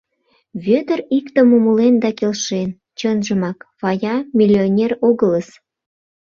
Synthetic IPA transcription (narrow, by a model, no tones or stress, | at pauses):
βøt̪ərikt̪ə̆mumulend̪ɑkelʃen | t͡ɕənʒə̆mɑkβɑjɑmʲilʲːionʲeroɣələs